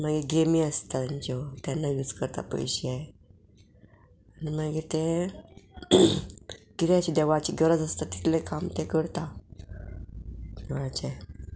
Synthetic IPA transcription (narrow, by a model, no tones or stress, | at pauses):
maɡeɡemiəst̪and͡ʑɔt̪janːajud͡zkəɾt̪a̰pə̰jɕiae | animaɡet̪e | kiɾjat͡ɕiːd̪eʋat͡ɕiɡəɾəd͡zəst̪at̪i̥t̪ʰlekamt̪ekəɾt̪a | ʋat͡ɕa